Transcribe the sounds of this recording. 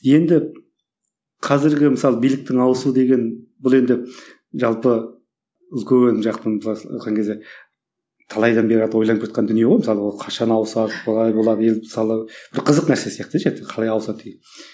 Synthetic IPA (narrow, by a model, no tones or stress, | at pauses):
je̞nd̪ɪ | qʰɑzɪɾɡʲɪməsɑlˠəbijlɪk̚t̪ɪŋɑwəsud̪e̞ɡʲe̞nbʊlˠe̞nd̪ɪ | ʒɑlˠpə | ʊzɡʲønʒɑqt̪ənb̪ˠɑ̰t̪qɑŋkʲʰezd̪e̞ | t̪ʰɑlˠɑjd̪ɑnbe̞ɾɑd̪əwojlˠɑnəpkʰʲɑt̪qɑnd̪ʏnije̞ʁomɪsɑlˠəwolˠqʰɑʃɑnɑwəsɑd̪əbʰolˠɑjbo̞lˠɑd̪əje̞lmɪ̥sɑlˠəb̥ɪɾqʰəzəqnæɾse̞sijɑq̚t̪d̪ʒet̪eqʰɑlˠɑjɑwsɑd̪əd̪eɡʲen